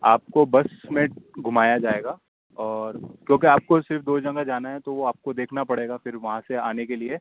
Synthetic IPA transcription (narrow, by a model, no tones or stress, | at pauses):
a̰ːp̚kobɐsmẽɡʱʊmaːjad͡ʒaːeːɡaː | ɔːɾkjõːk̬iaːp̚kosɪɾfd̪oːd͡ʒɐ̃ŋɡad͡ʒaːnaɦɛ̃t̪oʋoaːp̚kod̪eːkʰnapɐɽeːɡafɪɾʋɐɦãseaːnekelie